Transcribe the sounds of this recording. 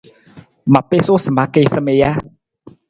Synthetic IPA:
ma˨pe˨so˦sə˨ma˧ke˨səme˨ja˦

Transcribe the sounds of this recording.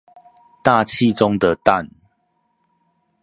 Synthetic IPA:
t̪a˥˨t͡ɕʰi˥˨ʈ͡ʂʊ˦ŋd̪ə˨t̪a˥˨n

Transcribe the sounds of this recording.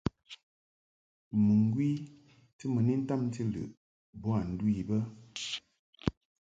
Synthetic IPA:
mə˨ŋ˨ɡwi˦ | tɨ˦mə˨ni˦n̩˦ta˦˨m˦ti˦lʉ̰˨ʔ | bɔ˦a˨n̩˨dwi˦˨bə˦

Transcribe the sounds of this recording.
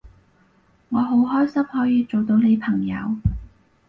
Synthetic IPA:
ŋɔː˨˧ɦo˨˥wɦɔː˥jsɐ˥mhɔː˨˥jiː˨˧t͡so˨wt̪o˨˧wne˨˧jpʰɐ˨˩ŋjɐ̰˨˧w

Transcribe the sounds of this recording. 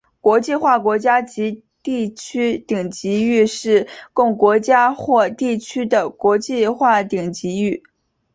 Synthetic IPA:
kwɔ˧˥t͡ɕi˥˧xwa˥˩kwɔ˧˥t͡ɕja˥t͡ɕi˧˥ | t̪i˥˩t͡ɕʰy˥t̪i˨˩ŋt͡ɕi˧˥y˥˧ʂɻ̩˥˧kʊ˥˩ŋkwɔ˧˥t͡ɕja˥xwɔ˥˧t̪i˥˩t͡ɕʰy˥d̪ə˨kwɔ˧˥t͡ɕi˥˧xwa˥˩t̪i˨˩ŋt͡ɕi˧˥y˥˩

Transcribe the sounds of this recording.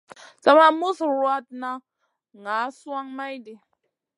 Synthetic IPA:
t͡sa˦ma˦mu˦sɾwa˦t̚na˦ | ŋa˨˦swa˦ŋma˦jdi˨

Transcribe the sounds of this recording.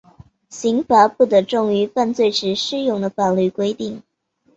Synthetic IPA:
ɕi˧˥ŋfa˧˥pu˥˩t̪ə˧ʈ͡ʂʊ˥˩ŋy˧˥fa˥˧nt͡swe˥˩ɪʈ͡ʂɻ̩˧˥ʂɻ̩˥˧jʊ˥˩ŋd̪ə˦fa˨˩nly˥˩kwe˥ɪt̪i˥˩ŋ

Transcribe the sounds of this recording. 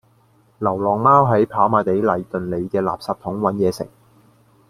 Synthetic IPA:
lɐ˨˩wlɔː˨ŋmaː˥wɦɐ˨˥jpʰaː˨˥wmaː˨˧jt̪e˨˥jlɐ˨˧jt̪ɵ˨nle˨˧jkɛː˧la̰ː˨p̚saː˧p̚t̪ʰʊ˨˥ŋwɐ˨˥njɛː˨˧sɪ̰˨˩ŋ̚

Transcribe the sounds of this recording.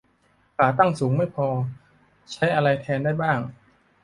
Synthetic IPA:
kaː˨˩t̪a˥˩ŋsuː˩˦ŋma˥˩jpʰɔː˧ | t͡ɕʰa˦˥jʔa˧ɾa˧jt̪ʰɛː˧ndaː˥˩jbaː˥˩ŋ

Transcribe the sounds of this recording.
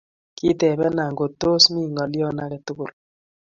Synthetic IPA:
ki˦te˨βɛ˦na˨ŋɡo˨to˦smi˦ŋɔ˨ljɔ˦na˦ɾɛ˨tu˦kʊ˨l

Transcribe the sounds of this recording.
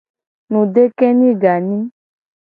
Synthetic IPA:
nũ˨ɖe˦kɛ˦nĩ˦ɡa˨nĩ˦

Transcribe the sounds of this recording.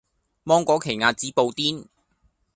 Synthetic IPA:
mɔː˥ŋkɔː˨˥kʰe˨˩jŋaː˧t̚t͡siː˨˥po˨˧wt̪iː˥n

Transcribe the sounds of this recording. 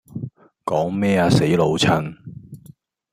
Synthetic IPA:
kɔː˨˥ŋmɛː˥aː˧se˨˥jlo˨˧wt͡sʰɐ˥ŋ

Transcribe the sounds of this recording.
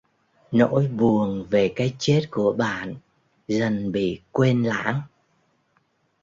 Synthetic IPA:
no̰˧˥jɓu˨˩əŋve˨˩kaː˨˦jt͡ɕe˦˥t̚ku˧˩əɓa̰ː˧˨n | zə˨˩nɓḭ˧˨kwe˧nla̰ː˧˥ŋ

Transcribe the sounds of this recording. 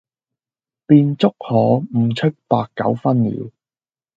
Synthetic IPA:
piː˧nt͡sʊ˥k̚hɔː˨˧m̩˨˩t͡ʃʰɵ˥t̚paː˧kːɐ̰˨˥wfɐ˥nlḭː˨˥

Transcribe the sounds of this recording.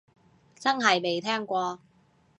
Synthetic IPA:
t͡sɐ˥ŋɦɐ˨jme˨jt̪ʰɛː˥ŋkʷɔː˧

